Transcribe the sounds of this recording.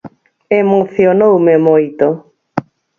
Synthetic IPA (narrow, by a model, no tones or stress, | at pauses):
emoθjonowmemojt̪o